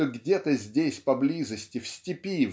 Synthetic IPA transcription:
əɡdʲet̪əzʲdʲesʲpɐblʲizəsʲtʲɪfsʲtʲɪpʲiv

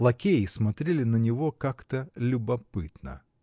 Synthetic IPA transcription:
lˠɐkʲejɪsmɐt̪ɾʲelʲɪnənʲɪvokakt̪əlʲʊbɐpɨt̪nə̰

